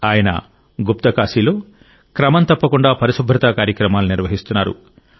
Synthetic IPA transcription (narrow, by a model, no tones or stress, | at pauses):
aːjɐnɐ̰ | ɡup̚t̪ɐkaːsiːlo̞ː | kɾɐmɐnt̪ɐpːɐkuɳɖaːpɐɾisubʱːɾɐt̪ɐkaːɾjɐkɾɐmaːluniɾʋɐɦist̪unːaːɾṵ